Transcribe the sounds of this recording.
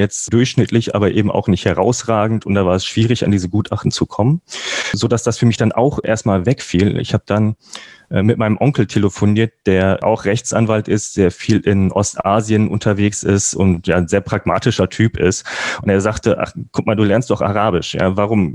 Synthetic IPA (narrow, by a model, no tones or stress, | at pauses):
jɛt͡std̥ʊɐçʃnɪtlɪçʔa̰ːbɐʔeːbm̩a̰ʊxnɪçthɛʁaʊsʁaːɡŋ̩tʊntd̥aːvaːɐɛsʃv̥iːʁɪça̰ndiːzəɡuːtʰʔaχtn̩t͡sukʰɔmənzoːdasd̥asfyːɐmɪçd̥anʔa̰ʊxʔeːɐst̚maːlvɛkfiːl̰ɪ̰çhaːbəd̥anʔɛːmɪtmaɪnəmʔɔŋkl̩tʰeləfoniːɐt̚d̥eːɐʔa̰ʊxʁ̥ɛçt͡sʔa̰nvaltʔɪstd̥eːɐfiːlɪnʔɔ̰stʔaːzjənʔʊ̰ntʰɐveːksɪstʊ̰ntjaːzeːɐpʁ̥aɡma̰ːtɪʃɐtʰyːpɪ̰stʔʊnteːɐzaːχtəʔa̰χkʰʊtmaːlduːlɛɐnstd̥ɔχa̰ʁaːbɪʃja̰ːvaʁ̞ʊm